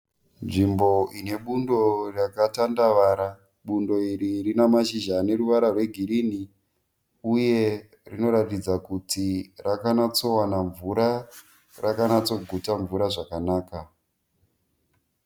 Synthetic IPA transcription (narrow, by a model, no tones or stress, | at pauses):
nʐimbo̞ine̞ɓundo̞rakatandaʋaɾa | ɓundo̞iɾirinamaʃiʒane̞ɾuʋaɾarwe̞ɡʱiɾini | uje̞ | rino̞ɾatid͡zakutirakanat͡so̞wanaɱvuɾa | rakanat͡so̞ɡʱutaɱvuɾaʐakanaːka